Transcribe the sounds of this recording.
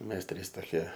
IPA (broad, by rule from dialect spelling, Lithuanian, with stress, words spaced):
ˈmʲɛs ˈtʲrʲiːs toːˈkʲiɛ